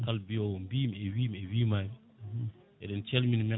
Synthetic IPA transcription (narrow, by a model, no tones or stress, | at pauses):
kalbiowmbimewimewimajm | edent͡ʃɛlminme